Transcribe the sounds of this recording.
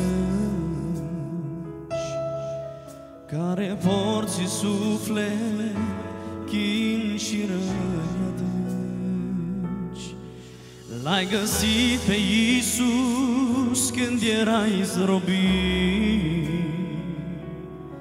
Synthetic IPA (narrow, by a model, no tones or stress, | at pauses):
t͡ʃ | kaɾevoɾsisuflele | kʲinʃiɾə | d̪ɨ | t͡ʃ | lajɡəsipejisu | skɨnd̪jeɾaizɾobi